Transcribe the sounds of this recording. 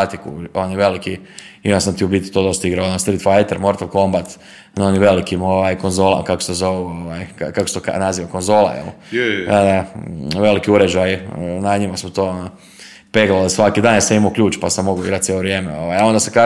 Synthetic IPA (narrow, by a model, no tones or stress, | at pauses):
at̪ikṵoniʋe̞liki | imasamt̪iubiːt̪i̥t̪od̪ost̪aiɡɾaoonost̪ɾit̪fajt̪eɾmo̞ɾt̪alˠko̞mbat̪ | noniʋe̞likimoʋajkonzola̰kakosezoʋioʋajakakose̥t̪oka̰naziːʋakonzo̞ːla̰jḛlod̪aʋe̞likiuɾed͡ʒajnaɲimasmot̪oːono | peɡalod̪sʋakid̪aːnjaseimokʎuːt͡ʃpasamːo̞ɡuiɡɾat̪jeloʋɾjeːmeo̰ʋajao̞nd̪asaka